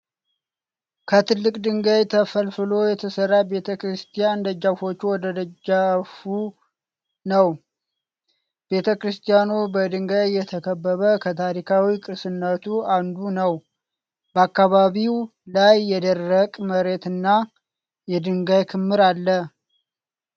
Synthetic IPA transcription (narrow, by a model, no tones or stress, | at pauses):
kʰət̪ʰɨlːɨkʼd̪ɨŋɡajt̪ʰəfəlfɨlo̞jɛt̪ʰəsərːabe̞t̪ʰəkʰɾɨst̪ʰijand̪əd͡ʒːafo̞t͡ʃːuwɔd̪əd̪əd͡ʒafu | nəw | b̥e̞t̪ʰəkɾɨst̪ʰijanubəd̪ɨŋɡajːɛt̪ʰəkʰəbːəβəkʰət̪ʰaɾikʰawikʼɨɾsɨnːət̪ʰuand̪unəw | bəakːaβaβiwlajːɛd̪ərːəkʼməɾe̞t̪ɨnːa | jɛd̪ɨŋɡajkʰɨmːɨɾalːə